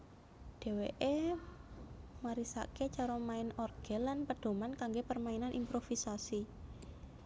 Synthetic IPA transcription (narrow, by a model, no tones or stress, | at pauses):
ɖ̥e̤weʔe | maɾisa̰ket͡ʃaɾɔmaɪnɔrɡ̥ɛ̤lanpəɖ̥o̤mankaŋɡepərmaɪnanʔimpɾofisasi